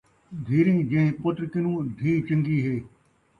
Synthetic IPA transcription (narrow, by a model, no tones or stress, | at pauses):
d̪ʱiːɾĩːd͡ʑɐ̃ɦɪ̃pot̪ɾɪkɪnũːd̪ʱiːt͡ɕɐ̃ŋɡiːɦeː